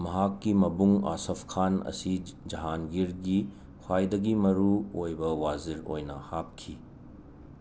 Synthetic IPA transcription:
mɐɦakːimɐbuŋa̰sɐpʰkʰanɐ̰sid͡ʒɐɦanɡiɾɡi | hʰwajdɐɡimɐɾuojbɐwaziɾo̰jnɐhap̚kʰi

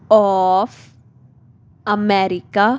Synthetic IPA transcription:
ɔf | amɛɾika

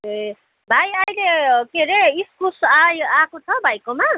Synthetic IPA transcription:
e | bʱajʌjlekeɾeiskusajakot͡sʰʌbʱajkoma

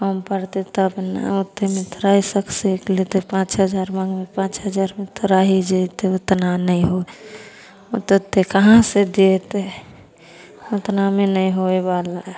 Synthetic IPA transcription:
kəmpəɾt̪et̪ɔəbna̰ut̪ːemẽt̪ʰoɾaɦisəkseklet̪epãt͡ʃɦəd͡ʒaɾmãɡmepãt͡ʃɦəd͡ʒaɾmet̪ʰoɾaɦid͡ʒet̪eʊt̪nanəĩɦoe | t̪ət̪ːekəɦãsed̪eet̪e | ʊt̪namenəĩɦoebala

